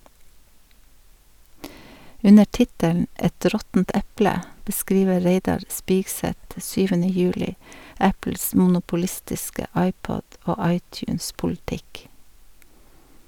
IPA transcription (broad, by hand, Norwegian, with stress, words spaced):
ˈʉnə ˈʈɪtəln̩ ˈʔɛt ˈɾɔtn̩t ˈɛplə bəˈskɾiːʋə ˈɾeɪdɑɾ ˈspiːɡˌsɛt ˈsyːʋənə ˈjʉːlɪ ˈæpl̩s mn̩ʊpʊˈlɪstɪskə ˈɑɪˌpɔd ˈoː ˈɑɪˌtjʉːnspʊlˌtɪk